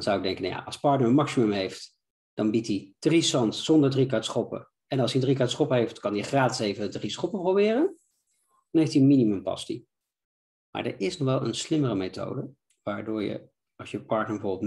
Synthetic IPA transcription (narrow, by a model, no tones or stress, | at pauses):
nzʌwɪɡ̚dɛŋkəna̰ja̰ʔɑlˠspɑɹtnəɹəmɑksimɵmɦejft | d̥ɑnbitid̥risɑntsɔndəɹdrikaɹtsχɔpə̰ | ɛnɑlˠsdiəndrikatsχɔpəɦejftkɑndiχraːtɪ̥sejvədrisχɔpəprowbɪːrən | dɑnɦejftiənminimɵmpɑ̰stḭ | ma̰ːɹdə̰ɹɪsnɔχʋɛlˠə̰nslɪmərəmejto̰wdə | ʋaːɹdʊːɹjə̰ | ɑlsjəpɑɹtnəɹbəvoɹbɪlˠt